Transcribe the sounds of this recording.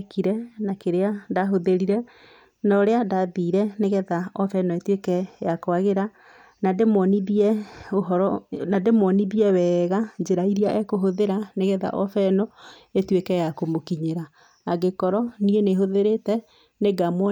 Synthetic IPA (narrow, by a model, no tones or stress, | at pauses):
kiɾɛnakeɾeandaɦoðeɾiɾɛ | nɔɾeadaðiːɾɛneɣɛðaɔfɛnɔetwekɛjakoaɣeɾa | nademwɔniiɛoɦɔɾɔnademwɔniβiɛwɛːɣad͡ʒeɾaiɾiaʔɛkoɦoðeɾaneɣɛða̰ʔɔfɛnɔetwekɛjakomokiɲeɾaː | ɡekɔɾɔnieneɦoðeɾetɛ | neɡamwɔ